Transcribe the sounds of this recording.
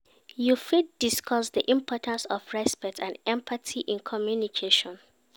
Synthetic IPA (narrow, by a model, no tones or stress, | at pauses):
jufit̚d̥iskʰɔsdiʔĩmpʰɔtʰãnsɔfɹɛspɛk̚tʰãndɛ̃mpʰatʰiʔĩnkʰɔmjunikʰeʃɔ̃n